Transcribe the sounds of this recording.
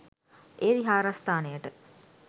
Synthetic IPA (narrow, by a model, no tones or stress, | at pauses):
ʔeːɾiɦaːɾast̪aːnejəʈə